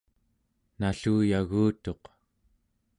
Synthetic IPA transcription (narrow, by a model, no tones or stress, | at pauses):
naɬuːjaɣuːt̪o̞q